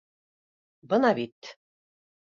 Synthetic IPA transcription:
bɤnɑβit̪

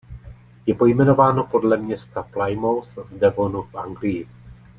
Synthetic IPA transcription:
jɛpo̞jmɛno̞vaːno̞po̞dlɛmɲɛst̪aplajmowθvdɛvonufʔaŋɡlɪjɪ

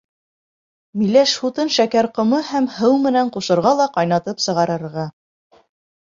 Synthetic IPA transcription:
milæʃhut̪ɤnʃækæɾqŏmɤhæmhɤwmɘ̆næɴquʃɤ̆ɾʁɑlˠɑqɑjnɑt̪ɤpsɤ̆ʁɑɾɤ̆ɾʁɑ

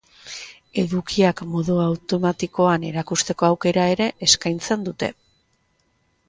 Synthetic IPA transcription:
e̞ðukiakmo̞ðuawt̪o̞mat̪iko̞ane̞ɾakust̪e̞ko̞awke̞ɾae̞ɾe̞ʔeskajnt͡se̞nd̪ut̪e̞

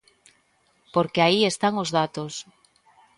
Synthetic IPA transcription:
poɾkeaiest̪aŋozðat̪os

